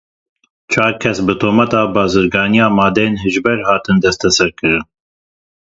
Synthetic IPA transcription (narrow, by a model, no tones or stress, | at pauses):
t͡ʃʰɑːɾkʰɛsbɨt̪ʰoːmɛt̪ɑːbɑːzɨɾɡɑːnijɑːmɑːd̪ejenɦɨʒbɛɾhɑːt̪ɨnd̪ɛst̪ʰɛsɛɾkɨɾɨn